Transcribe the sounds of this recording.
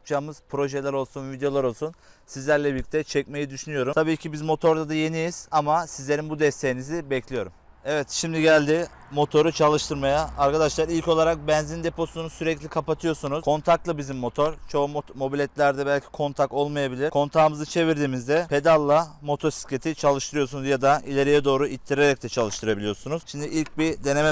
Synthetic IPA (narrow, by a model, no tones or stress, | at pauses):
p̚t͡ʃʰaːmɯz̥pʰɾo̞ʒɛlʲæɾo̞lˠsunvid̪ejo̞lˠaɾo̞lˠsunsizlʲæɾlʲɛbilʲic̚ʲt̪ʰɛt͡ʃʰɛc̚me̞jid̪yʃynyjo̞ɾumtʰabiːcʰibizmo̞t̪ʰo̞ɾd̪ad̪aje̞nijiz̥amasizlʲe̞ɾinbud̪ɛst̪ʰe̞jinizibɛclʲijo̞ɾum | ɛvɛt̪ʃimd̪iɟælʲd̪i | mo̞t̪ʰo̞ɾut͡ʃʰalˠɯʃt̪ʰɯɾmajaːɾkʰad̪aʃlˠaɾilʲco̞lˠaɾak̚bɛnzind̪e̞pʰo̞sunusyɾɛclʲikʰapat̪ʰɯjo̞ɾsunuzkʰo̞nt̪ʰak̚t̪lˠɯbizimːo̞t̪ʰo̞ɾt͡ʃʰo̞mo̞bilʲɛt̪lʲæɾd̪ɛbælʲcʰi̥kʰo̞nt̪ʰak̪̚o̞lˠmajabilʲiɾkʰo̞nt̪ʰaːmɯzɯt͡ʃʰe̞viɾd̪iːmizd̪ɛpʰe̞d̪alˠːamo̞t̪ʰo̞si̥scʰe̞t̪ʰit͡ʃʰalˠɯʃt̪ʰɯɾɯjo̞sunuzjad̪aʔilʲe̞ɾijɛd̪o̞ːɾuit̪ʰːiɾe̞ɾɛc̚t̪ʰɛt͡ʃʰalˠɯʃt̪ʰɯɾabilʲijosunuz̥ʃimd̪iilʲc̚bid̪e̞ne̞mɛ